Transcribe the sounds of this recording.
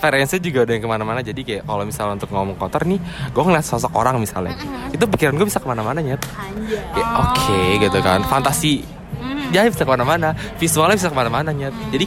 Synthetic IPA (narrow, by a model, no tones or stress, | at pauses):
feɾɛnsad͡ʒuɡadəaŋkəmanamanad͡ʒadikajakalomisalɲaunt̪ʊk̚ŋomɔŋkɔt̪ərniɡuaŋlasas̬ɔkoɾaŋmisa̰lɲa̰ḭt̪uit̪̬up̬ikiɾanɡuabisakəmanamanaɲat̪̚ | aokʰeɡit̪uka̰nfant̪asi | d͡ʒabisakəmanamanafisualɲabis̬akəmanamanaɲat̪̚d͡ʒadi